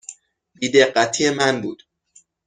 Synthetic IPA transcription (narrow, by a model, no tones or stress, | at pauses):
biːd̪eɢæt̪ʰijemænbuːd̪̥